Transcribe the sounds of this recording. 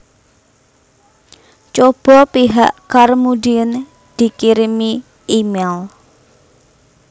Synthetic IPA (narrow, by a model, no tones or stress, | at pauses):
t͡ʃob̥ɔ̤piɦaʔkarmudiən | d̪̥i̤kiɾimi | imɛl